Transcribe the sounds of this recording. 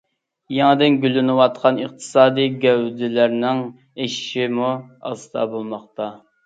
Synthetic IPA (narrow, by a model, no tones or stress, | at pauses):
jɛŋɨd̪ɪnɡʲylːynɪwɑt̪qʰɑnəqt̪ʰɨ̥sɑːd̪ɨjɡʲɛwd̪ɪlæɾnɪŋ | eʃɪ̥ʃimuɑ̰sɨd̪ʰɑbolˠmɑχt̪ɑ